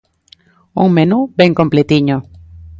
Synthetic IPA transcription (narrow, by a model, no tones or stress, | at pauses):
ṵŋmenubẽŋkõmplet̪iɲo